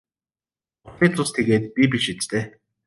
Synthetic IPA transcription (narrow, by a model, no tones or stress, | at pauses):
ʊχiːt͡sʊst̪ʰeɣeːt̪̚pʲip̬ʲiʃit͡st̪eː